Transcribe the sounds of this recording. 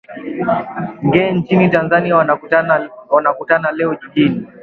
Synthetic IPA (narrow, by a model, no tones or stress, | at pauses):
ŋɡɛːnt͡ʃinitanzania | wanakutanalɛɔʄiʄini